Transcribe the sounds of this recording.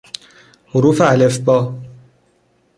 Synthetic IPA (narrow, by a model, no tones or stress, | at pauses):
hʊɾuːfeælefbɒː